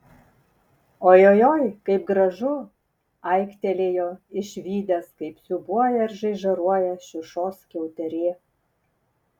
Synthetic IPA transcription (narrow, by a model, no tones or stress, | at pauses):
oːjoːjoːjkɐɪp̚ɡɾɐʒʊ | ɐɪkt̪ʲɛlʲeːjoːɪʃʲʋʲiːd̪ʲɛskɐɪpsʲʊbuɔjɛɾʒɐɪʒɐɾuɔjɛʃʲɪʃoːskʲɛʊt̪ʲɛɾʲeː